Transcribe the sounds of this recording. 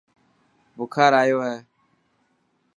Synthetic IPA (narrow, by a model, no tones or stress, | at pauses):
bʊkʰaːɾaːjoːɦɛː